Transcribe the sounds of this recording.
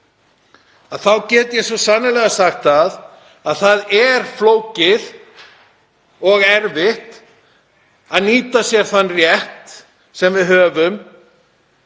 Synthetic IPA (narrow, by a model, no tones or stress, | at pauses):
aðθawcɛːt̪jɛsvɔsanʏlɛɣasaxt̪að | aðθaðɛɾ̥floːwcɪð | ɔɣɛɾvɪht̪ | aðniːt̪asjɛɾ̥θanːrjɛht̪ | sɛmvɪðɦœːvʏm